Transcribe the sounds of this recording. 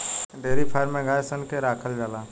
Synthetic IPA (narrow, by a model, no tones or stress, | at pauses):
ɖeːɾipʰajəɾmẽɡaːesənkeɾaːkʰəld͡ʒaːlaː